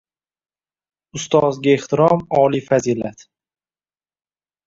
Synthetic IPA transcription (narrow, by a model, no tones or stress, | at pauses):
ʊst̪ɒzɡʲaeht̪ɪɾɒmɒːlifazilat̪